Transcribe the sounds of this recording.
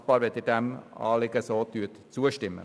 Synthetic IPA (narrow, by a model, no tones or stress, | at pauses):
b̥ɑːɾʋɪt̪idɛmɑ̰ːlɪɡəsoːt̪ʰyːt̪t͡suːəʃtɪmːə̰